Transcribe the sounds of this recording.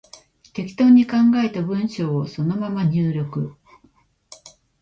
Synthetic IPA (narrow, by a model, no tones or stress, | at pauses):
t̪e̞kʲi̥t̪o̞ːɲ̟ːikãŋɡae̞t̪abɯ̟̃ɰ̃ɕo̞ːso̞no̞mamaɲ̟ɨːɾʲo̞kɯ̟